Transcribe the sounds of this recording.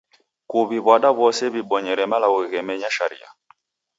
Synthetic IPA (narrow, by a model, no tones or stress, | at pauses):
kuβiβwaɗaβɔsɛβiɓɔɲɛɾɛmalaɣwɛɣɛmɛɲaʃa̰ɾḭa̰